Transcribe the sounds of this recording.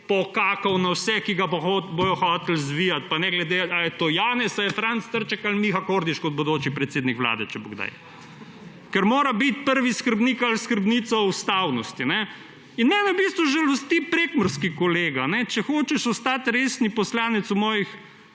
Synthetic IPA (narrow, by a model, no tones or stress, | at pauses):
pɔkaːkɐwnawsɛkiɡabbojɔxɔːt̪lzʋijat̪̚panɛɡlɛd̪eajɛt̪oːjaːnɛsajɛfɾant̪st̪əɾt͡ʃɛkalmixakoːɾd̪iʃkɔd̪̚bod̪oːt͡ʃipɾɛt̪seːd̪nikʋla̰ːd̪ɛt͡ʃɛbo̰ɡd̪a̰j | kɛɾmoːɾabit̪̚pəɾʋiskəɾbniːkalskəɾbniːt̪sɔust̪awnɔst̪inɛ | inmɛːnɛwbiːst̪ʋuʒəlost̪ipɾeːkməɾskikɔleːɡanɛt͡ʃɛxoːt͡ʃɛʃɔst̪aːt̪ɾeːsnipɔslaːnɛt̪sumɔːjix